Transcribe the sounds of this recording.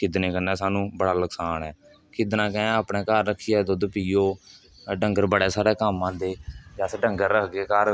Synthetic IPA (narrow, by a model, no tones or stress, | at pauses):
kɪd̪neːkənːɛːsaːnũːbəɽaːləksaːnɛː | kɪd̪nãːkɛ̃ːaːpɳɛːkaɾːəkʰːijaːd̪od̪piːoː | ɖəŋɡəɾbəɽɛːsaːɾɛːkaːmãːd̪eːd͡ʒaːsɖəŋɡəɾːəkʰɡeːkəɾ